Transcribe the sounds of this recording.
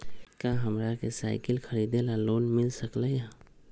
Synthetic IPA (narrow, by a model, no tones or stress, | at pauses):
kãːɦəmɾakesa̰ːɪkəlxʰəɾiːd̪elaloːnmɪlsəklejã